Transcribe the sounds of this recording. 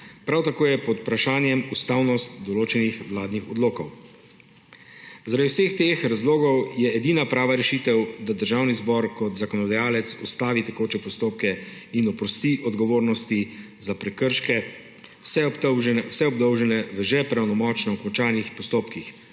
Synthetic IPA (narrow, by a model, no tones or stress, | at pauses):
pɾawt̪akoːjɛpɔt̪upɾaʃaːnjɛmust̪aːwnɔst̪d̪ɔloːt͡ʃɛnixwlaːd̪nixɔd̪loːkɔw | zaɾad̪iwsext̪eːxɾazloːɡɔwjɛɛd̪iːnapɾaːʋaɾɛʃit̪ɛwd̪ad̪əɾʒawnizbɔɾkɔt̪zakɔnɔd̪ajaːlɛt̪sɔ̰st̪aːʋit̪ɛkoːt͡ʃɛpɔst̪oːp̚kɛinɔpɾɔst̪iʔɔd̪ɡɔʋoːɾnɔst̪i | zapɾɛkəɾʃkɛ | sɛwsɛɔb̚d̪ɔwʒɛnɛʋəʒɛpɾawnɔmɔt͡ʃnɛɔkɔnt͡ʃaːnixpɔst̪oːpkix